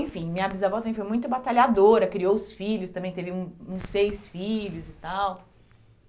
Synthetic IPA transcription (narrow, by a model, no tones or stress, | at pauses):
ẽfĩmĩɲɐbizavɔwt̪ɐ̃mẽfoj̃mũj̃t̪ʊbat̪aʎad̪oɾɐkɾiowʊsfiʎʊst̪ɐ̃mbẽj̃t̪evɪũũsejsfiʎʊzɪt̪aw